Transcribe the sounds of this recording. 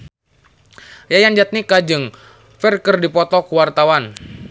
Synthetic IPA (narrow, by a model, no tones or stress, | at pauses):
jajand͡ʒat̪̚nikad͡ʒɨŋ | fɛrkərdipɔt̪ɔkuwart̪awan